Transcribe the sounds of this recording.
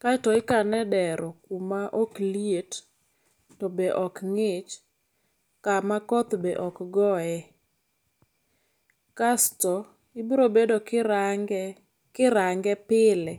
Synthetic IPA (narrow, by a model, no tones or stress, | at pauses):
katɔɪkanɛdɛɾɔkumaʔoklijet | tɔbeʔɔkŋɪt͡ʃ | kamakɔt̪bɛʔɔkɡɔɛ | kastɔ | ɪbɾobedo | kɪɾaŋɡɛpɪlɛ